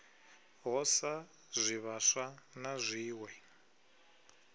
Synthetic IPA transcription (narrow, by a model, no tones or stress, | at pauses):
ɦɔsa | zʷiβaʂanazʷiːwɛ